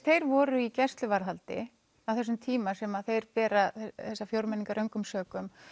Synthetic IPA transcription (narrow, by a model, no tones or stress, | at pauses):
θejɾvɔːɾʏicɛst̪lʏvaɾɦalt̪ɪ̰ | avθɛsːʏmt̪ʰiːmasɛmaðθejɾpɛːɾaθɛθɛsːafjowɾmɛniŋkaɾʔœɥŋkʏmsœːkʏm